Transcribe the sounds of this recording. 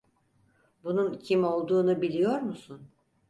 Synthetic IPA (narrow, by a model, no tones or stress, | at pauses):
bununcʰimo̞lˠd̪uːnubilʲijo̞ɾmusun